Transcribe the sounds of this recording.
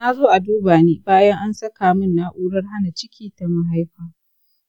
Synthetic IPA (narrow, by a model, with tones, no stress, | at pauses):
na˦zoː˦ʔa˨duː˦baː˨neː˦baː˦jɐ˦ŋʔa˦nsɐ˦kaː˨mʊ˦nːa˦ʔuː˦ɽɐ˦rha˦na˨t͡ʃɪ˦kʲʰiː˦ta˨ma˦ɦa˦jɸaː˨